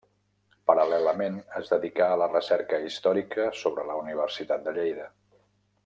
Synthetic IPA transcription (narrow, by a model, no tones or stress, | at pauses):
pəɾəlɛləmenəzðəðikaːlərəsɛɾkəist̪ɔɾikəsoβɾələuniβ̞ərsit̪at̪̚d̪əʎejðə